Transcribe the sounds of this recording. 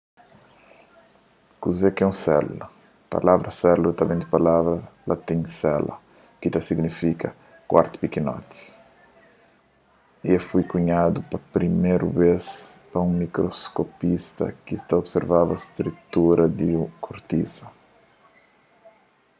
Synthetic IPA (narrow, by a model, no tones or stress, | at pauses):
kuzekɛũsɛ̰lṵlɐ | pa̰lavɾʔɐsɛlut̪ɐbẽnd̪ipalavɾɐlʔat̪ĩŋsɛlʔɐ̰ | kit̪ɐsiɡnifikɐ | kwa̰ɾt̪u̥pikinɔ̰t̪i̥ | iefujkuɲad̪upɐpɾimeɾubespɐũŋmikɾoskopist̪ɐ̰kist̪aobseɾvavɐst̪ɾut̪uɾɐd̪iukʰuɾt̪izɐ